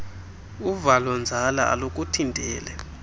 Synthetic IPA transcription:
uvalɔnd͡zʱalaʔa̰lok̬ʼutʰintʼɛːlɛ

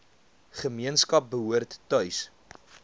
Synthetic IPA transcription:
χəmiənskɐp̚bəɦuərtːœɥs

